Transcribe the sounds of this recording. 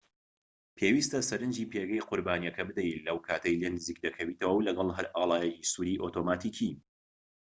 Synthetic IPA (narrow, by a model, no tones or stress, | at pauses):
pʰewist̪ɐsɐɾɨnd͡ʒiːpʰeɡɐjqʰʊɾbaːnijɐkɐbɨd̪ɐjlɐwkʰaːt̪ʰɐjlenɨziːk̚d̪ɐkʰɐwiːt̪ʰɐwɐwlɐɡɐlˠɦɐɾaːlˠaːjɐkisuɾiːʔoːt̪ʰomaːt̪ʰiːkʰi